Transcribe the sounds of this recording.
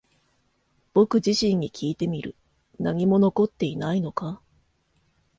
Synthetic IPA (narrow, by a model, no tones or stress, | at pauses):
b̥o̞kɯ̟ʑiɕĩɲ̟ːikʲʰiːt̪e̞mʲiɾɯ̟ | naɲ̟imo̞no̞ko̞t̪ːe̞inaino̞ka